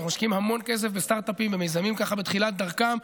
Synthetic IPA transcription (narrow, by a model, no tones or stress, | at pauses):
umaʃkimhamo̞nke̞s̬e̞fbest̪aʁt̪apimveme̞jzamimkaχabet̪χilat̪̚d̪aʁkam